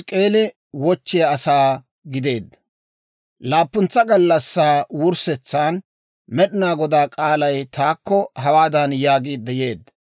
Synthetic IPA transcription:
skʼe̞ːlɪ | wɔt͡ʃːɪjɐɐsaː | ɡɪd̪e̞ːd̪ːɐ | laːpːʊnt͡sːɐɡɐlːɐsːaːwʊɾsɛt͡sːaːn | mɛɗɪnaːɡɔd̪aːkʼaːlɐjt̪aːkːɔhɐwaːd̪ɐnjaːɡiːd̪ːɛjeːd̪ːɐ

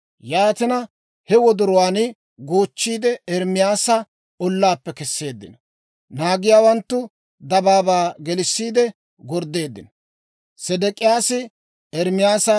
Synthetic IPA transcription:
jaːt̪ɪnɐ | hɛwɔd̪ʊɾɔwaːnɪ | ɡoːt͡ʃːiːd̪ɛɛɾmɪjaːsɐ | ɔlːaːpːɛkɛsːe̞ːd̪ːɪ̰nɐ | naːɡɪjaːwɐnt̪ːʊ | d̪ɐbaːbaːɡɛlɪsːiːd̪ɛ | ɡɔɾd̪e̞ːd̪ːɪnɐ | sɛd̪ɛkʼɪjaːsɪ | ɛɾmɪjaːsɐ

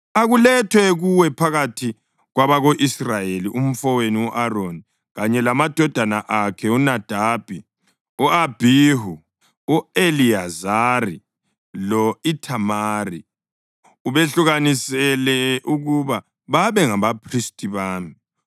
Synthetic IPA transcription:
aɣulɛtʰwɛɣuwɛpʰaɣatʰi | ɣwaβaɣoʔisrajeliʔum̩fɔweniwuʔaroni | ɣaɲɛlamad̥ʱɔd̥ʱanaʔakʰɛunad̥ʱab̥ʱi | uab̥ʱiɦu | ueliazarḭ | lɔitʰamari | uβeɬuɣanisɛlɛʔuɣuβa | βaβɛŋaβapʰristʼiβaːmi

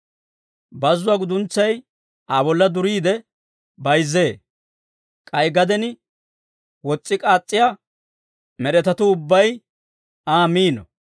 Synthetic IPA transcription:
bɐzːʊwaːɡʊd̪ʊnt͡sːɐj | aːbɔlːɐd̪ʊɾiːd̪ɛ | bɐjzːe̞ː | kʼɐjɡɐd̪ɛnɪ | wɔt͡sʼːɪkʼaːt͡sʼːɪja | mɛɾɛt̪ɐt̪ʊʊbːɐj | aːmiːnɔ

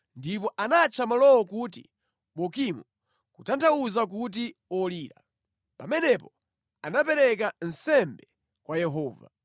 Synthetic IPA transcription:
ndip̬ɔʔanat͡ʃʰamalɔwɔkutḭ | ɓɔkimu | kutantauzak̬ut̬iɔliːɾa̰ | pamɛnɛpɔ | anapɛɾɛk̬an̩sɛmbɛ | kwajɛɦɔːva̰

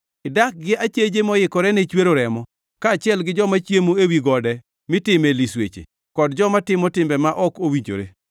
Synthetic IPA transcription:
ɪdak̚ɡɪat͡ʃed͡ʒemɔjɪkɔɾɛnɛt͡ʃweɾoɾɛmɔ | kaːt͡ʃɪɛlɡɪd͡ʒɔmat͡ʃjemoewiɡɔdɛ | mɪtɪmɛliswḛt͡ʃḛ | kɔdd͡ʒɔmatɪmɔtɪmbɛmaʔɔkowiɲd͡ʒo̰ɾḛ

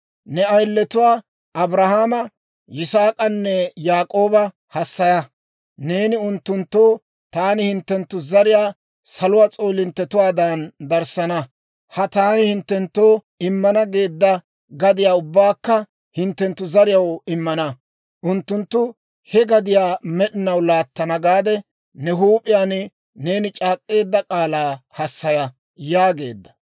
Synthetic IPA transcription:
nɛɐjlːɛt̪ʊwaː | ʔɐbɾɐhaːmɐ | jɪsaːkʼɐnːɛjaːkʼo̞ːbɐ | hɐsːɐjɐ | ne̞ːnɪʊnt̪ːʊnt̪ːo̞ː | t̪aːnɪhɪnt̪ːɛnt̪ːʊzɐɾɪjaː | sɐlʊwaːt͡sʼo̞ːlɪnt̪ːɛt̪ʊwaːd̪and̪ɐɾsɐnɐ | hɐt̪aːnɪhɪnt̪ːɛnt̪ːo̞ː | ɪmːɐnɐɡe̞ːd̪ːɐ | ɡɐd̪ɪjaːʊbːaːkːɐ | hɪnt̪ːɛnt̪ːʊzɐɾɪjɐwɪmːɐnɐ | ʔʊnt̪ːʊnt̪ːʊ | hɛɡɐd̪ɪjaːmɛɗɪnɐwlaːt̪ːɐnɐɡaːd̪ɛ | nɛɦuːpʼɪjaːn | ne̞ːnɪt͡ʃʼaːkʼːe̞ːd̪ːɐkʼaːlaːhɐsːɐjɐ | jaːɡe̞ːd̪ːɐ̥

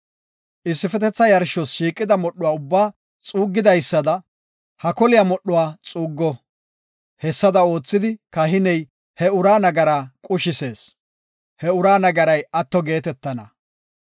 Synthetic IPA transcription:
ʔɪsːɪfɛt̪ɛt͡sːɐjɐɾʃɔsʃiːkʼːɪd̪ɐmɔɗːʊwaːʊbːaː | t͡sʼuːɡːɪd̪ɐjsːɐd̪ɐ | hɐkɔlɪjɐmɔɗːʊwaːt͡sʼuːɡːɔ | hɛsːɐd̪ɐo̞ːt͡sːɪd̪ɪkɐɦɪnɛj | hɛʊɾaːnɐɡɐɾaːkʼʊʃɪse̞ːs | hɛʊɾaːnɐɡɐɾɐjɐt̪ːɔɡe̞ːt̪ɛt̪ːɐnɐ̰

